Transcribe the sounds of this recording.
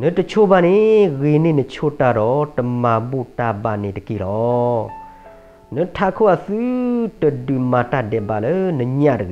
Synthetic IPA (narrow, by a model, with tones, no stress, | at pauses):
nə˨˦tə˨t͡ɕʰo˦ba˧˨ne˨ɣe˨ne˨nə˨t͡ɕʰo˦ta˧˨ɾɔ˨˦tə˨ma˨bo˦˨ta˧˨ba˧˨ne˨tə˨ki˨lɔ˨˦ | nə˨˦tʰa˦˨kʰo˦˨a˨sɨ˦tə˨dɨ˨ma˨ta˧˨dɛ˨ba˨lə˦nə˨ɲã˧˨tə˨ɣe˨